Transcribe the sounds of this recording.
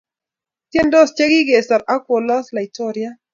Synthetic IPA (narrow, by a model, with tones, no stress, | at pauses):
t̪jɛ˦ndɔ˦st͡ʃe˦ɡi˦ɡe˨sa˨ɾa˦kwɔ˨lɔ˦sla˨i˨tɔ˦ɾja˦